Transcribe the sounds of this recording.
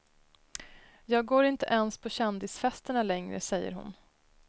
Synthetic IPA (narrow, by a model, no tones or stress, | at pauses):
jɑːɡɡoːɾɪnt̪əʔɛnspʰɔɕɛnd̪ɪsfɛst̪əɳalɛŋɾə̰sɛjːə̰ɾɦʊ̰n